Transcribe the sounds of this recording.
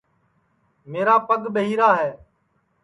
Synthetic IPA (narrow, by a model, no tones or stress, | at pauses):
meːɾaːpəɠɓəɦiːɾaːɦɛː